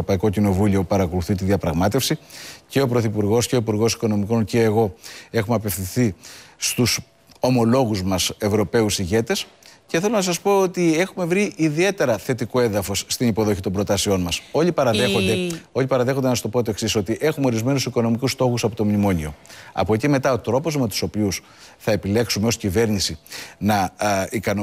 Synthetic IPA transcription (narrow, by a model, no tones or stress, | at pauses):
opɐiko̞cino̞vulio̞pɐɾɐko̞luθit̪̬iðiɐpɾɐɣmɐt̪e̞fsice̞o̞pɾo̞θipuɾɣo̞sce̞o̞ipuɾɣo̞si̥ko̞no̞miko̞nce̞ːɣo̞e̞xumeɐpe̞fθinθist̪us | o̞mo̞lo̞ɣuzmɐse̞vɾo̞pe̞usiʝe̞t̪e̞s | ce̞θelo̞nɐs̬ɐspo̞ot̪ie̞xume̞vɾiʔiðie̞t̪e̞ɾɐθe̞t̪ikoenðɐfo̞sːt̪inipo̞ðo̞çit̪ombɾo̞t̪ɐsio̞nmɐso̞ʎipɐɾɐðexond̪e̞o̞ʎipɐɾɐðe̞xo̞nd̪enɐst̪o̞pot̪̬oeksiso̞t̪iʔe̞xumeo̞ɾizme̞nusiko̞no̞mikust̪o̞xusɐpot̪o̞mnimo̞ɲio̞̰ɐ̰po̞cime̞t̪ɐo̞t̪ɾo̞po̞zme̞t̪u̥so̞pius | θɐe̞pile̞ksume̞oscive̞ɾnisinɐikɐn